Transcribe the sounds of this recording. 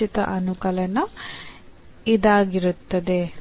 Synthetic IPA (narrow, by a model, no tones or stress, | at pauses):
it̪ɐ̰ʔɐnukɐlɐnɐ | id̪aːɡiɾut̪ːɐd̪e̞